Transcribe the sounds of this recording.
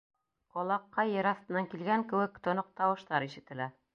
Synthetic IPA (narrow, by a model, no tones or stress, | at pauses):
qɒlˠɑqːɑjɤ̆ɾɑθt̪ɤ̆nɑŋkilɡæŋkɘ̆wɘkt̪ŏnoq̚t̪ɑwɤ̆ʃt̪ɑɾiʃɘ̆t̪ɘ̆læɾ